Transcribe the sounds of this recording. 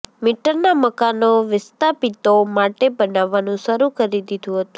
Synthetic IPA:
mɪʈəɾnaməkanoʋɪst̪apit̪omaʈebənaʋːanũʃəɾukəɾid̪id̪ũɦət̪ũ

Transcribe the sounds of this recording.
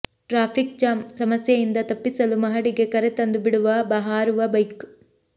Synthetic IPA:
ʈɾaːpʰik̚t͡ʃaːmsɐmɐsjɐjind̪ɐt̪ɐpːisɐlumɐɦɐɽiɡe̞kɐɾet̪ɐnd̪ubiɽuʋɐbɐɦaːɾuʋɐbɐjk

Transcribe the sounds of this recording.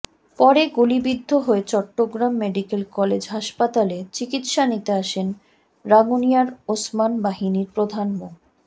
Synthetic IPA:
pɔɾeɡulibid̪ʱːoɦoet͡ɕɔʈːoɡɾamːeɖikelkɔled͡ʑɦaʃpat̪alet͡ɕikit̪ʃanit̪eaʃen | ɾaɡunijaɾosmanbaɦiniɾpɾod̪ʱanmo

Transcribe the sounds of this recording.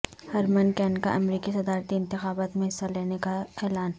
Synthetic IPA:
hɐɾmənkɛːnka̰ʔɐmɾiːkisɐd̪aːɾt̪iɪ̃nt̪ɪxaːbaːt̪mẽɦɪsːaleːnekaeːlaːn

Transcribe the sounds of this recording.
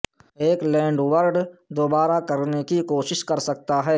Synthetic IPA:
eːklɛ̃ːɳɖʋəɾɖd̪oːbaːɾakɐɾnekikoːʃɪʃkɐɾsɐk̚t̪aɦɛː

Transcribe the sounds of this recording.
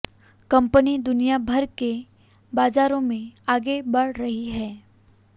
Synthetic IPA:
kɐ̃mpənid̪ʊnijabʱɐɾke | baːd͡ʒaːɾõmẽaːɡebɐɽɾɐɦiɦɛː

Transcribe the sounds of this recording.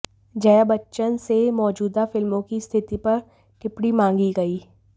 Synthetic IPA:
d͡ʒɐjabɐtːʃənsemɔːd͡ʒuːd̪afɪlmõkist̪ʰɪt̪ipɐɾ | ʈɪpɽimãːŋɡiɡɐiː

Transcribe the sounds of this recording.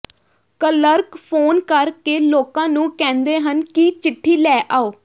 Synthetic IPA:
kələɾkpʰoːnkəɾkeːloːkãːnũːkɛ̃ːnd̪eːɦənkit͡ʃɪʈʰːiːlɛːʔaːoː

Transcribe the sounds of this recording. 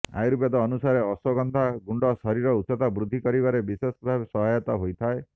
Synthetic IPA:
a̰jɾupjɔd̪ɔːnusaɾeɔsɔɡɔnd̪ʱaɡuɳɖɔsɔɾiɾɔut̪sɔt̪abɾud̪ʱːikɔɾibaɾebisesbʱabesɔɦajɔt̪ɔɦojt̪ʰae

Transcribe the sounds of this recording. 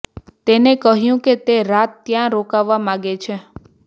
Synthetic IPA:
t̪enekəɦjũket̪eɾat̪ːjãɾokaʋːamãɡet͡ʃʰe

